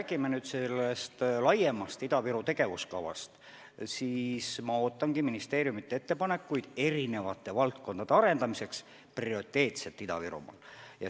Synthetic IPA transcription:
æːɡ̥imenyːd̪selːest̪lɑje̞mɑst̪id̪ɑviɾut̪e̞ɡe̞vuskɑvɑ̰st̪ | siːsmɑo̞ːt̪ːˑɑŋɡ̥iminist̪e̞ːɾjumit̪ːee̞t̪ːe̞pɑnekːujd̪̥e̞ɾine̞vɑt̪ːˑe̞vɑlt̪̚ko̞nd̪̥ɑd̪e̞ɑɾe̞nd̪ɑmise̞ks | prio̞rit̪ːˑe̞ːt̪set̪ːˑid̪ɑ̰viɾṵmɑ̰ːljɑ

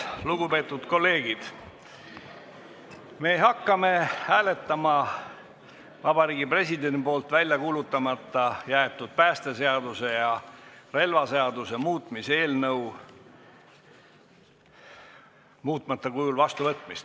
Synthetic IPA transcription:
luɡupe̞ːt̪ːˑud̪̥ko̞lːe̞ːɡ̥id̪̥ | me̞ːɦɑkːˑɑme̞hæːle̞t̪ˑːɑmɑ | vɑb̥ɑɾiːɡ̥ipre̞sid̪enipo̞ːlt̪vælʲjɑkuːlut̪ːˑɑmɑt̪ːˑɑjæet̪ːˑud̪̥̚pæːst̪e̞se̞ɑd̪use̞jɑre̞lvɑse̞ɑd̪use̞muːt̪ˑmise̞ːlnɤw | muːt̪ˑmɑt̪ːˑɑkujulvɑst̪uvɤt̪ːˑmist̪

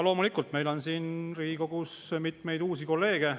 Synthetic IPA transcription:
lo̞ːmulikːˑult̪me̞jlo̞nsiːnriːɡiko̞ɡ̥usmit̪me̞jd̪uːsiko̞lːe̞ːɡ̥e̞

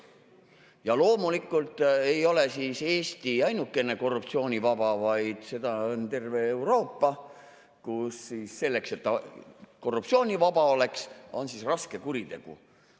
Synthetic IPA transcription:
jɑlo̞ːmulikːˑult̪ˑe̞jo̞le̞sise̞ːst̪iɑjnukːˑe̞ne̞ko̞rːupt̪sio̞ːnʲivɑb̥ɑvɑjd̪̥se̞d̪ɑont̪e̞rve̞ːwɾo̞ːpːɑ | kusːiːsːe̞lːe̞kse̞t̪ːɑko̞rːupt̪sio̞ːnʲivɑb̥ɑo̞le̞kso̞nsisrɑske̞kuɾit̪e̞̰ɡ̥ṵ

